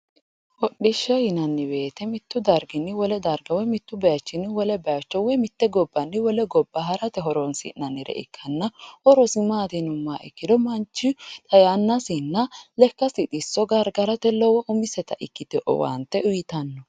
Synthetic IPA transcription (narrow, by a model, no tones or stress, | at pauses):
wɔɗːɪʃːɛjɪnɐnːɪbeːt̪ɛmɪt̪ːʊd̪ɐɾɡɪnːɪwɔlɛd̪ɐɾɡɐwɔmɪt̪ːʊbɛjɐt͡ʃːɪnːɪwɔlɛbɛjɐt͡ʃːɔwɔmɪt̪ːɛɡɔbːɐnːɪwɔlɛɡɔbːɐɦɐɾɐt̪ɛɦɔɾɔnsɪ̰nnːɐnːɪɾɛ̰ʔɪ̰kʰːɐnːɐhɔɾɔsɪmaːd̪ɪnʊmːaːʔɪ̰kːɪd̪ɔmɐnt͡ʃːɪt̪ʼɐjanːɐsinːɐlɛkːɐsɪt̪ʼɪsːɔɡɐɾɡɐɾɐt̪ɛlɔwɔʔʊmɪsɛt̪ɐʔɪkːɪt̪ɛʔɔ̰wɐ̰nt̪ːɛʔʊjɪt̪ɐnːɔ